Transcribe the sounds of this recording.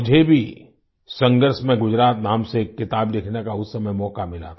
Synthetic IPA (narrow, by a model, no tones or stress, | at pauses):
ʊd͡ʒʱebʱi | sɐ̃ŋɡəɾsmẽɡʊd͡ʒɾaːt̪naːmseːkːɪt̪aːblɪkʰnekaʊssɐməjmɔːkamɪla̰ː